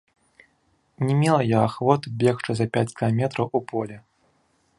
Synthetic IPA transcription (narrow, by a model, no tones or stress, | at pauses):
nʲɛmʲɛlˠɐjaaxvɔt̪bʲɛxt͡ʂɨzɐpʲat͡sʲkʲilˠamʲɛt̪ɾɐwupɔlʲɛ